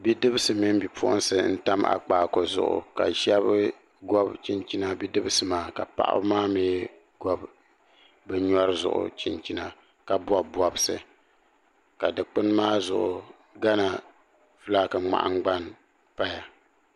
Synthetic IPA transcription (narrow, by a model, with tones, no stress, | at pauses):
bi˦dɨ˦bɨ˦sɨ˨mi˦m˦bi˨pʰʊ˦ʔʊ̰˦n˦sɨ˨n̩˦ta˦ma̰˨k͡paː˨ko˨zʊ̰˨ʔʊ̰˨ka̰˨ʃɛ˦β | ɡɔ˦bt͡ʃi˦nt͡ʃi˦na˦bi˦dɨ˦bɨ˦sɨ˨maː˨ka˨pa̰˦ʔa̰˦bmaː˦miː˦ | ɡɔ˦b | bɨ˦ɲɔ˦ɾɨ˦zʊ̰˨ʔʊ̰˨t͡ʃi˦nt͡ʃi˦na˨ | ka˨bɔ˦bɔ˨bsɨ˨ | ka˨dɨ˨k͡pɨ˦n˦maː˦zʊ˨ʔʊ˨ | ɡa˦na˨ | fɨ˦la˦kɨ˨ŋ͡ma̰˨ʔa̰˦ŋɡ͡ba˦n | pa˦ja˨